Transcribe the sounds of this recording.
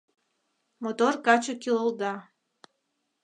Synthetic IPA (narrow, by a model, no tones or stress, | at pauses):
mot̪orkɑt͡ɕokilolˠd̪ɑ